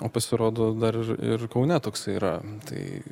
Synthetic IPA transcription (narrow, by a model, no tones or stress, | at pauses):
oːpɐsʲɪɾoːd̪oːd̪ɐɾɪrɪ̰rkɐʊnʲɛt̪oːksɐɪiːɾɐt̪ɐ̰ɪ